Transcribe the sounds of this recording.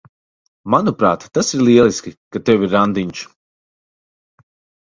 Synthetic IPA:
manupɾaːt̪ːasiɾlˠiɛlˠiskʲikat̪ɛwiɾːand̪iɲt͡ʃ

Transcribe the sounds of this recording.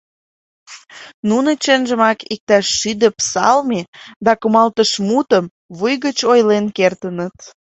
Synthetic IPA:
nunə̆t͡ɕenʒəmɑkik̚t̪æʃːyd̪ə̆psɑ̰lmed̪ɑkumɑlt̪əʃmut̪əm | βujɣət͡ɕojlenkert̪ənət̪

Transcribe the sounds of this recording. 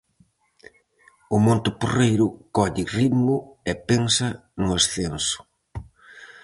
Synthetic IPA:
ʊmõnt̪ɪporejɾʊkɔʎɪriðmʊɛpensɐnʊesθensʊ̥

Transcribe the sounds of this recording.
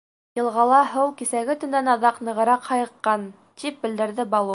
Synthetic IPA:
jɤ̆lˠʁɑlˠɑɦɤwkisæɡɘ̆t̪ɵ̆nænɑðɑqnɤ̆ʁɤ̆ɾɑqhɑjɤ̆qːɑn | t̪ip̚bɘ̆ld̪ɘ̆ɾðɘbɑlˠu

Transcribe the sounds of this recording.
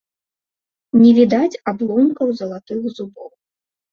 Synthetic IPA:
nʲɛvʲid̪at͡sʲablˠɔwnʲikɐwzɐlˠat̪ɨɣzubɔw

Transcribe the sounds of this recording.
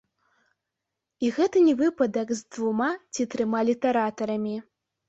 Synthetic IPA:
iɣɛt̪ɨnʲɛvɨpɐd̪ɐkzd̪vumat͡sʲit̪ɾɨmalʲit̪ɐɾat̪ɐɾɐmʲi

